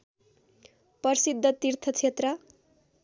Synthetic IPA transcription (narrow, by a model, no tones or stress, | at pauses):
pʌrsid̪ʱːʌt̪irt̪ʰʌt͡sʰet̪rʌ